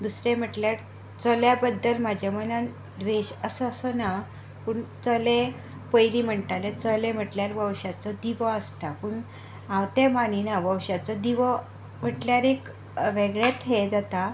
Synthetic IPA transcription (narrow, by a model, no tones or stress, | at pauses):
d̪usɾem̤əʈljaɾ | t͡səljabəd̪ːəlmad͡ʑʱamənan | ʋeɕəsəsəna | puɳt͡səle | pəjlim̤əɳt̪alet͡səlẽm̤əʈljaɾʋəwɕat͡səd̪iʋəəst̪apuɳ | awt̪emaninaʋəwɕat͡səd̪iʋə | m̤əʈljaɾek | ʋeɡɭjat̪ɦed͡zat̪a